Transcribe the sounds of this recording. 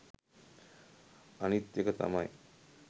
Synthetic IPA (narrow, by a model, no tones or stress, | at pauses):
anit̪jekət̪a̰maj